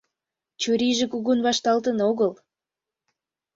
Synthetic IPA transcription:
t͡ɕuɾiʒĕkuɣunβɑʃt̪ɑlt̪ənoɣəl

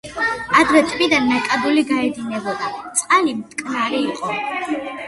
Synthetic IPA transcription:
ad̪ɾɛt̪ʼmid̪anmɛkʼad̪uliɡaɛd̪inɛbɔbat̪sʼqʼalimt̪kʼnaɾiːqʼɔ

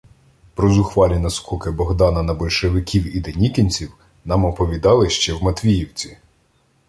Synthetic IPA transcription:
pɾɔzʊxʋɑlʲinɐskɔkɪbɔɦd̪ɑnɐnɐbɔlʲʃeʋɪkʲiwid̪ɛnʲikinʲt͡sʲiw | nɑmɔpɔʋʲid̪ɑlˠɪʃt͡ʃɛwmɐt̪ʋʲijiwt͡sʲi̥

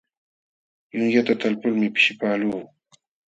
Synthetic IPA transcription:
jʊŋjat̪at̪alpʊlmɪpɪ̥ʃɪpaːluː

